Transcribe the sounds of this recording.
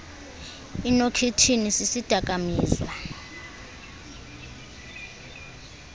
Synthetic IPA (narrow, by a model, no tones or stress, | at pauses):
inokʰitʰinisisid̥ʱakʼamiːza